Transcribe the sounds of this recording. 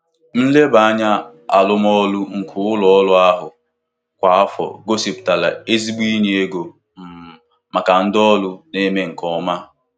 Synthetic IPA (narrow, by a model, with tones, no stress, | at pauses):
n̩˦le˦ba˨a˦ɲa˦a̰˨lʊ˦mɔ˦lʊ˦ŋ̩˨kʰʊ˨˦lɔ˨ɔ˦lʊ˦a˦ɦʊ˨ | kʷa˨a˦fɔ̰˨ɡo˦si˨pta˨la̰˨e˦zi˦ɡ͡bi˦ni˦e˦ɡo˨ | m̩˨ | ma˨ka˨n̩˦dɔ˦lʊ˦ne˦me˦ŋ̩˨kɔ˦ma˦